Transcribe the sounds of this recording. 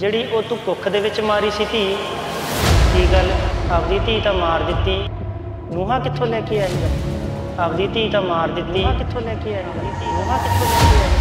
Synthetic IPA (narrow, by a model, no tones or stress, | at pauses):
d͡ʒeːɽiːʔoːt̪ũːkʊkʰd̪eːʋɪt͡ʃmaːɾiːsiːt̪iː | kiːɡələbd̪iːt̪iːt̪ãːmaːɾd̪ɪt̪ːiː | nũːɦãːkɪt̪ʰːõːlɛːkeːaːɦiːɛ | əbd̪iːt̪iːt̪ãːmaːɾd̪ɪt̪ːiːãːkɪt̪ʰːõːlɛːkeːɛː | ioːɦãːkɪt̪ʰːõːlɛːkeːɛː